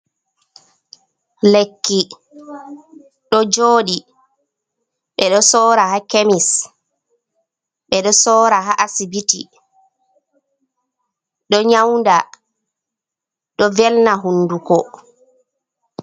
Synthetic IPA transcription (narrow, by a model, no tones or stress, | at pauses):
lekːi | ɗɔd͡ʒoːɗi | ɓɛɗɔsɔːɾahakemis | ɓɛɗɔsɔːɾaɦaʔasibitḭ | ɗɔɲawnda | ɗɔvɛlnaɦunːdukɔ